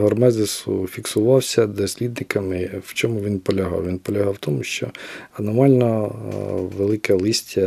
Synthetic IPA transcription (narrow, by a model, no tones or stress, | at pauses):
ɦɔrmɛzesʊ̰fʲiksʊʋɑwsʲɐd̪ɔsʲlʲid̪̚nɪkɐmɪwt͡ʃɔmʊʋʲinpɔlʲɐɦɑ̰wʋinpɔlʲɐɦɑwt̪ɔmʊʃt͡ʃɔɐnɔmɑlʲnɔ | ʋelˠɪkɐlˠɪsʲtʲːɐ